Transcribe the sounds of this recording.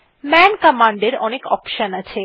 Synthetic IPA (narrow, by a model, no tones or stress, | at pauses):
mɛnkamaɳɖeɾɔnekɔpʃənat͡ɕʰe